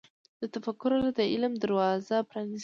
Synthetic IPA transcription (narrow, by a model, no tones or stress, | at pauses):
d̪̥ət̪afakʊɾaɾad̪əɪlmd̪aɾwɑzapɾani